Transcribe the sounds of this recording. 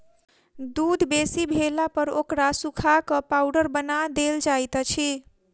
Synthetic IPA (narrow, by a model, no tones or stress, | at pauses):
d̪ud̪ʱbesibʱelapəɾokɾasukʰakəpawɖəɾbənad̪eld͡ʒajt̪t͡ʃʰi